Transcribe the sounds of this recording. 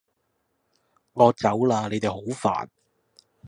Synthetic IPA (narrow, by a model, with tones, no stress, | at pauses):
ŋɔː˨˧t͡sɐ˨˥wlaː˧ne˨˧jt̪e˨jho˨˥wfa̰ː˨˩n